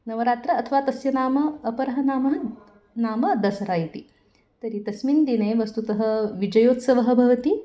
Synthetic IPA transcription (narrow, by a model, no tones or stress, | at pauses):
nɐʋɐɾaːt̪ɾɐːt̪ʰɐʋaːt̪ɐsjɐnaːmɐːpɐɾɐɦɐnaːmɐɦɐ | naːmɐd̪ɐsɐɾaːjɐt̪i | t̪ɐɾit̪ɐsmind̪ineːʋɐst̪ut̪ɐɦɐ̆ʋid͡ʒɐjoːt̪sɐʋɐɦɐbʱɐʋɐt̪i